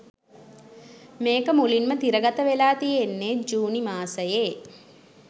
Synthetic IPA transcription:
meːkəmulinmət̪iɾəɡat̪əʋelaːt̪ijenːeːd͡ʒuːnimaːsəjeː

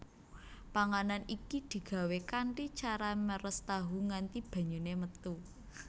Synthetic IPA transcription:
paŋananikid̪̥i̤ɡ̥ä̤wekaɳʈit͡ʃaɾaməɾəst̪aɦuŋant̪ib̥a̤ɲunemət̪u

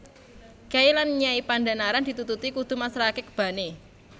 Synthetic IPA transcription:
kailanɲaipandanaɾand̪̥i̤t̪ut̪ut̪ikud̪̥ṳmasɾakekəb̥a̤ne

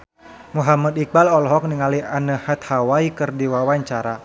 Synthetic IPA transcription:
muɦamad̪ik̚balɔlɦɔk̚niŋaliʔanəhat̪̚hawaikɨrdiwawaɲt͡ʃaɾa

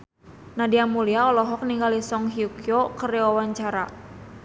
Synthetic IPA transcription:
nadiamuliaɔlɔɦɔk̚niŋɡalisɔŋɦiukiɔkəɾeɔwaɲt͡ʃaɾa̰

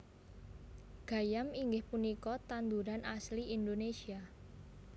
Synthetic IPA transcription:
ɡ̥ä̤jamiŋɡɪhpunikɔt̪and̪uɾanʔasliind̪onesia

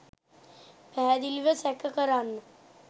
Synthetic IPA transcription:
pæɦːd̪iliʋəsækəkəɾanːə

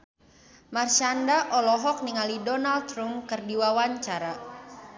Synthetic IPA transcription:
marʃandaʔɔlɔɦɔk̚niŋalidɔnalt̪ɾumkɨrdiwawaɲt͡ʃaɾa

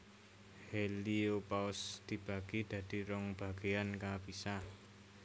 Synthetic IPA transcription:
heliopaʊsd̪̥i̤b̥a̤ɡ̥id̪̥ä̤d̪̥i̤ɾɔŋb̥a̤ɡ̥eankab̥isa

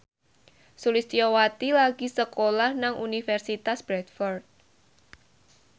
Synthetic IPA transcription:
sulist̪iɔwat̪ilaɡ̥isəkolahnaŋʔunifɛrsit̪asb̥ɾɛt̪fɔrt̪̚

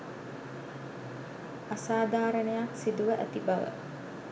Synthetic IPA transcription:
asaːd̪aːɾənejaksid̪uʋəʔæt̪ibɐʋə̰

